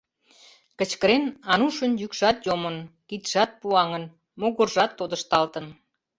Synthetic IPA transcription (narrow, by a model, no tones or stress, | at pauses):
kə̆t͡ɕkəɾenɑnuʃənjykʃɑt̪jomənkit̪ʃɑt̪̚puɑŋən | moɣorʒɑt̪ːod̪ə̆ʃt̪ɑlt̪ən